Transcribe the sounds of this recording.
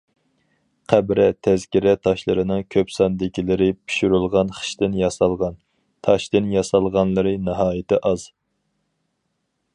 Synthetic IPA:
qʰæbɾɛt̪ʰɛzkʲiɾɛt̪ʰɑʃlˠɨɾɨnɨŋkʲʰøpsɑnd̪ɪkʲilɪɾɪpʰi̥ʃuɾulˠʁɑnχə̥ʃt̪ɪnjɑsɑlˠʁɑn | t̪ʰɑʃt̪ɨnjɑsɑlˠʁɑnlˠɨɾɨnɨɦɑːjɪt̪ʰɪʔɑz̥

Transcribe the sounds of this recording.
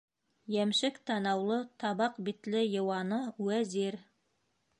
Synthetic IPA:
jæmʃɘkt̪ʰɑnɑwlˠɤt̪ʰɑβɑqbit̪lɪjɤ̆wɑnɤwæzeɾ

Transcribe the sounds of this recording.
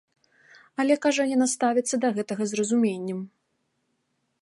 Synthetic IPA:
ɐlʲɛkaʐɐjanast̪avʲit̪sːɐd̪ɐɣɛt̪ɐɣɐzrɐzumʲenʲːɛm

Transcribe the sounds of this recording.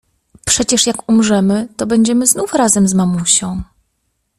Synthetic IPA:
pʂɛt͡ɕɛʂjakumʐɛmɘt̪ɔbɛɲd͡ʑɛmɘznufɾazɛmzmamuɕɔ̃w̃

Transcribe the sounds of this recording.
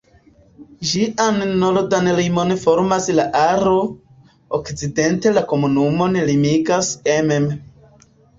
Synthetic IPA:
d͡ʒiʔanːolodanlimo̞nfo̞ɾmaslaʔaɾo̞ | okt͡side̞nte̞lako̞munumo̞nlimiɡasemem

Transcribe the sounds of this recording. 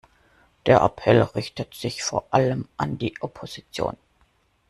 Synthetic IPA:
d̥eːɐʔa̰pʰɛlʁɪçtətz̥ɪçfoːɐʔaləmʔandiːʔɔpʰoz̥it͡sjo̰ːn

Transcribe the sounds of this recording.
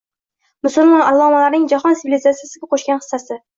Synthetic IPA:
mʊsʊlˠmɒnalˠːɒːmɒnlaɾnɪŋd͡ʒaχɒnsɪvilizat̪sijasɪɡʲaqʰoʃkʲanχɨ̥sːasɪ

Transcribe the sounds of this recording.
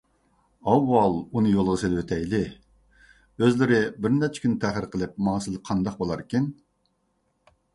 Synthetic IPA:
ɑwːɑlˠunɨjolˠʁəselwøt̪ʰɛjlɪ | øzlɪɾɪbɪɾnɛt͡ʃʰɛ̥kʲʰynɪt̪ʰæχəɾqʰəlˠɨp̚mɑːsɨlˠqʰɑnd̪ɑq̚bolˠɑɾkʲin

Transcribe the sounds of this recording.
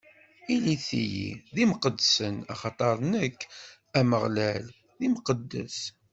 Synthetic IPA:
iliθḭjḭðimqəd̪sənɑ̰χɑt̪ˤɑɾˤnəkː | æməʁlæl | ðimqəd̪ːə̰s

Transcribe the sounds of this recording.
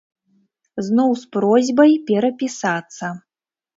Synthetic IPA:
znɔwspɾɔzʲbɐjpʲɛɾɐpʲisat̪sːɐ

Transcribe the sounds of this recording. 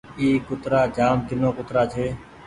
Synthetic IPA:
iːkʊt̪ɾaːd͡ʒaːmd̪ɪnõːkʊt̪ɾaːt͡ʃʰeː

